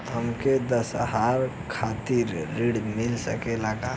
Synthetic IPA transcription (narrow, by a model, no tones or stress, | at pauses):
ɦəmked̪əsɦaɾ | kʰat̪iɾːiɽmɪlsə̰kelaɡa